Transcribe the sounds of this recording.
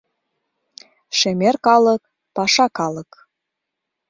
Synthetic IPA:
ʃemerkɑlək̚ | pɑʃɑkɑlə̆k

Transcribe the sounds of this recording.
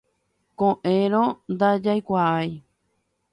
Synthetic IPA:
kõʔẽɾõnd̪ad͡ʒajkʷaʔaj

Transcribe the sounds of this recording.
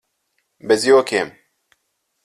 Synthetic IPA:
bɛzijoːkʰeːm

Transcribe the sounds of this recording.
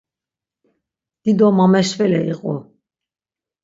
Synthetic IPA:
d̪̥id̪ɔmamɛʃvɛlɛiqʼɔ̰

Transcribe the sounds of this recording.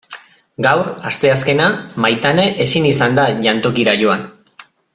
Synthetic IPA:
ɡawrast̪e̞aske̞namajt̪aneʔesinisand̪aʝant̪o̞kiɾaʝo̞an

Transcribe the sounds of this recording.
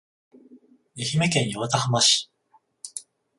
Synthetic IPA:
eçime̞kẽ̞ɰ̃joβat̪ahamaɕi̥

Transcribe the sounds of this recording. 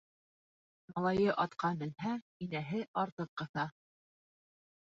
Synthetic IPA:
mɑlˠɑjɤʔɑt̪qʰɑbɘ̆lhæ | inæɦɘʔɑɾt̪ɤqːɤ̆θɑ

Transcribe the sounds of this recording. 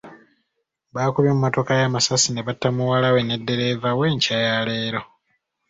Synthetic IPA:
βaːkuljomumːoto̞kajaːmasasine̞βatːamuwalawe̞ne̞dːe̞ɾe̞vawe̞ːɲcajale̞ːɾo̞

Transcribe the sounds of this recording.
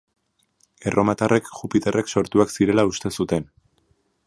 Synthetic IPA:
e̞rʔo̞mat̪arʔe̞kʝupit̪e̞re̞kso̞ɾt̪uaksiɾe̞laust̪e̞sut̪e̞n

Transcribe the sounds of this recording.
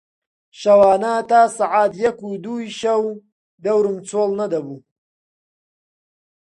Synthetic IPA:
ʃɐwaːnɐt̪aːsaʕaːt̪jɐkuːd̪uːjʃɐw | d̪ɐwɾɨmt͡soːlnɐd̪ɐbuː

